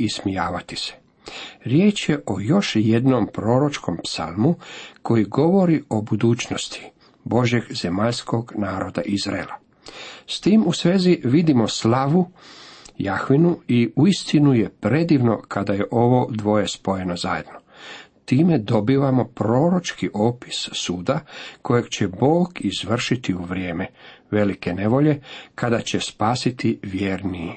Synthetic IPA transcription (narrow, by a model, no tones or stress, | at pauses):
ismijaːʋat̪i̥se̥ | ɾjeːt͡ʃjeʔo̞jo̞ʃje̞d̪nompɾo̞ːɾo̞t͡ʃko̞mpsa̰lˠmukʰo̞jiɡo̞ʋo̞ɾio̞bud̪uːt͡ʃno̞st̪ʰi̥ | bo̞ʒje̞ɡz̥e̞maʎsko̞ɡnaːɾo̞d̪a̰ʔizɾa̰ḛla | st̪iːmusʋeːziʋid̪imo̞slaʋu | jaxʋinuiuist̪inujepɾe̞d̪iːʋno̞̰kʰad̪ajeʔo̞ʋo̞d̪ʋo̞jespo̞je̞nozajḛd̪no̞ | t̪iːmed̪o̞biːʋamo̞pɾo̞ːɾo̞t͡ʃkiʔo̞ːpi̥ssuːd̪ako̞jeɡt͡ɕebo̞ːɡizʋr̩ʃit̪iuʋɾʲjeːmeʋe̞like̞ne̞ʋo̞ʎe̞kad̪at͡ɕespaːsit̪iʋjeːɾni